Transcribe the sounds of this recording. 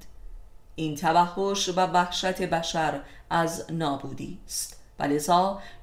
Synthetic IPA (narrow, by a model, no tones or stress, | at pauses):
ʔiːnt̪ʰævæhːoʃvævæhʃæt̪ʰe̞bæʃæɾ | ʔæznɒːbuːd̪ḭːst̪væ̰lezɒː